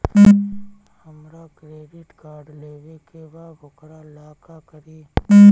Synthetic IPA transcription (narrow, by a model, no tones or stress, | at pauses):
həmɾakɾeːɖɪʈkaːɾɖleːʋekebabʊkɾalaːkakəɾiː